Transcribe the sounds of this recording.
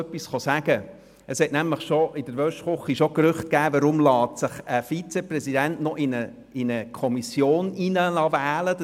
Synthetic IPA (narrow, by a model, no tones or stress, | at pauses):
œpːisχɔsæɡ̥ə | əshɛtnæmləχʃoɪd̥əɾʋœʃtχʊχːiʃokrʏχt̚kæːvəɾʊmlɑːtsɪχəfit͡seprɛsidɛntnɔʔɪnə | ɪnəkʰɔmisjoːninəlɑvæːləd